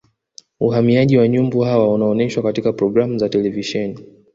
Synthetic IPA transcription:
uɦamiaʄiwaɲumbuhawaunaɔnɛʃwakatikapɾɔɡɾamuzatɛlɛviʃɛni

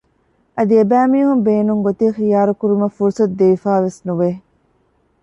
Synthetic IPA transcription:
ʔɐd̪iebæːmiːɦumbeːnuŋɡot̪iːxijaːɾukuɾumɐfuɾusɐt̪̚d̪eʋifaːʋesnuʋe

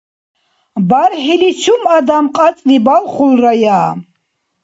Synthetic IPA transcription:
baɾħilit͡ʃʰumad̪amqʼat͡s̪ʼlibalχulrajaː

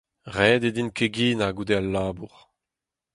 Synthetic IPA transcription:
ʁɛːd̪ed̪inkeɡiːnaɡud̪ealːaːbuʁ

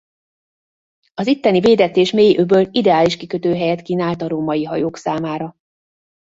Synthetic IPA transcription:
ɒzit̪ːɛniveːd̪ɛt̪eːʃmeːjiʔøbøːlid̪ɛaːliʃkikøt̪øːɦɛjɛt̪kiːnaːlt̪ɒɾoːmɒjiɦɒjoːksaːmaːɾɒ

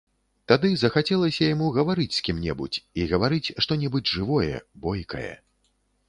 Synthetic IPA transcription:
t̪ad̪ɨzɐxat͡sʲɛlˠɐsʲɐjamuɣɐvaɾɨt͡sʲsʲkʲimnʲɛ̰bṵt͡sʲiɣɐvaɾɨt͡sʲʂt̪ɔnʲɛbɨd͡zʲʐɨvɔjɛ̰bɔjkɐ̰jɛ̰

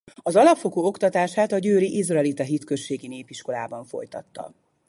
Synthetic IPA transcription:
ɒzɒlɒpfo̞ɡoːo̞kt̪ɒt̪aːʃaːt̪ɒɟøːɾiʔizrɒɛːlit̪ɛɦit̪kø̞ʃːeːɡineːpiʃko̞la̰ːbɒɱfo̞̰jt̪ɒ̰t̪ːɒ̰

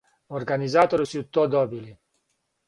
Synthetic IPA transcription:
orɡanizaːt̪olusjut̪ːɔd̪ɔbili

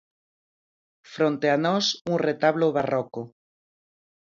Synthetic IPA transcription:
fɾont̪eanosunret̪aβloβaroko

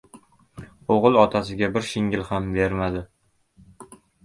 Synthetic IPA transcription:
oʁɨlˠɒt̪ʰasɪɡʲabɪɾʃɪŋʲɪlhambe̞ɾmad̪ɪ

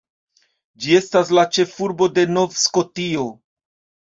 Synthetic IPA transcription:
d͡ʒie̞staslat͡ʃe̞fuɾbo̞de̞no̞vsko̞tio̞

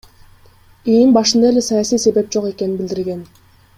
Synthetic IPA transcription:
eimbɑʃɯnd̪ɑele̞sɑjɑsijse̞βe̞p̚d͡ʒoqe̞keninbild̪iɾɡe̞n

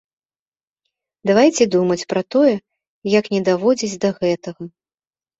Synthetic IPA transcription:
d̪avajt͡sʲɛd̪umɐt͡sʲpɾɐt̪ɔjɛ | jaknʲɛd̪avɔd͡zʲit͡sʲd̪ɐɣɛt̪ɐɣɐ

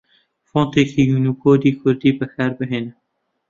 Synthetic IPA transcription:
fɔːnt̪eːkʰijuːnukʰoːd̪iːkʰʊɾd̪iːbəxaɾbɨɦeːn

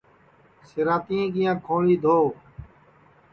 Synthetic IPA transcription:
sɪɾaːt̪ĩːɡĩjãːkʰõːɭiːd̪ʱoː

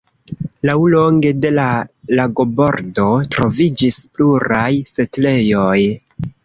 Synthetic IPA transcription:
lawlo̞ŋɡe̞de̞lalaɡo̞bo̞ɾdo̞tɾo̞vid͡ʒispluɾʔajse̞tle̞jo̞j

